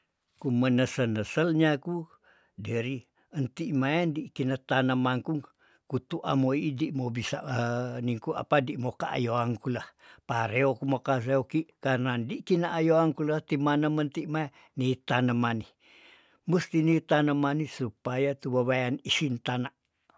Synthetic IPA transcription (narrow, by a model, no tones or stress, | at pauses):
kumənəsənəsəlɲaku | dəɾi | ənt̪iʔmaandikinət̪anamaŋkuŋ | kut̪uʔa̰moiːdiʔmobisaʔəniŋkua̰padiʔmokaa̰joaŋkulahpaɾeokumokaseokiʔkarnandiʔkinaʔajoaŋkulaht̪imanəmənt̪iʔmae | nit̪anəmani | must̪init̪anəmanisupajat̪uwaβajanisint̪anaʔ